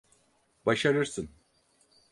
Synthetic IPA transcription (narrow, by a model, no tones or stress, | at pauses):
baʃaɾɯɾsɯn